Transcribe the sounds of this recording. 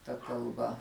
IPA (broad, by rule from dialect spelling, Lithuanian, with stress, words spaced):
tɐ kɐlˠˈbɐ